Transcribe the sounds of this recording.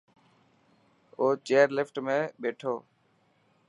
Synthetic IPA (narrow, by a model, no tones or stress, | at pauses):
oːt͡ʃeːəɾlɪfʈmẽːɓeːʈʰoː